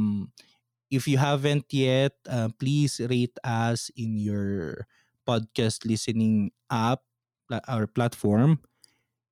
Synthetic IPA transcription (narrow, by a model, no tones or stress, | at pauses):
m | ʔɪfjʊɦavɛ̃nt̪jɛt̪̚ʔɐmplisɾet̪ɐsɪ̃njɔɹ | pɔd̪̚kast̪lɪsɛnɪŋʔap̚ | ʔɔɹplat̪fɔɹm